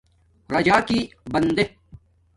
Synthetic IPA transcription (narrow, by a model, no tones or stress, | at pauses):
ɾɐd͡ʑaːkibɐnd̪e